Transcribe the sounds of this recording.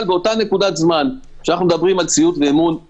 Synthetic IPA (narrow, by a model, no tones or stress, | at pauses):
lbeo̞tane̞kud̪azman | ʃeanaχnumd̪abʁimalt͡siut̪veːmun